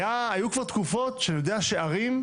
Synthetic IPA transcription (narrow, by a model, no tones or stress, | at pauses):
jaːjukvaʁt̪kufo̞t̪ʃejod̪eaʃeaʁim